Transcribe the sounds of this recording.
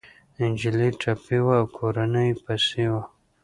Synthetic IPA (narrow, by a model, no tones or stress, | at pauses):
ɪnd͡ʒiliʈapiwaːwkʰoɾanəjpasewa